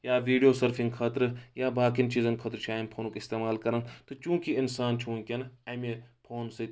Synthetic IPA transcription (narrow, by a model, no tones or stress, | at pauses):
jaːʋiːɖijoːsɐɾpʰĩŋɡkʰɐt̪ɾjaːbaːkint͡ʃiːzɐnkʰɐt̪ɾt͡ʃʰiaːjmpʰoːnukɪst̪eːmaːlkɐɾant̪ot͡ʃũːkiɪnsaːnt͡ʃʰũːkʲenaːmepʰoːnsɐ